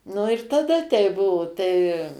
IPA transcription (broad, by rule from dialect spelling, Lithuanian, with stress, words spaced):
nʊ ɪr tɐˈdɐ tʲɛɪ ˈbʊʋoː tɐɪ